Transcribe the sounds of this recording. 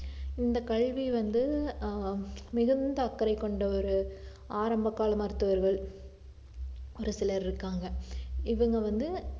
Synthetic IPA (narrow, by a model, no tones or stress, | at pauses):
ɪnd̪ɐkɐɭʋiʋɐnd̪ɯ | mɪɣɯnd̪ɐːkːɐɾɐɪkːɔɳɖɐɔɾɯ | aːɾɐmbɐkːaːlɐmɐɾɯt̪ːɯʋɐɾɣɐɭ | ɔɾɯsɪlɐɾɪɾɯkːaːŋɡɐɪʋɐŋɡɐʋɐnd̪ɯ